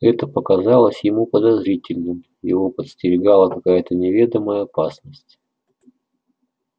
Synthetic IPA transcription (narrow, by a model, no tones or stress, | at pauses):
ɛt̪əpəkɐzɑlˠəsʲjɪmupəd̪ɐzɾʲitʲɪlʲnɨm | jɪvopət̪sʲt̪ʲɪɾʲɪɡɑlˠəkɐkajət̪ənʲɪvʲed̪əməjəɐpasnəsʲtʲ